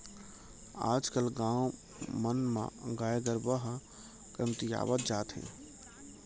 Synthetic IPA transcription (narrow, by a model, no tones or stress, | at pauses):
a̰ːd͡ʒkəlɡãːw | mənmḛ̃ɡaːjeɡ̪əɾbəɦ | kɾəmt̪ija̰ːʋət̪̚d͡ʒaːt̪ɦḛ̃